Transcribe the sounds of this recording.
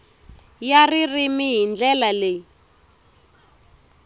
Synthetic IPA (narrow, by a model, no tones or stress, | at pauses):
jaririmiɦind͡ɮɛlale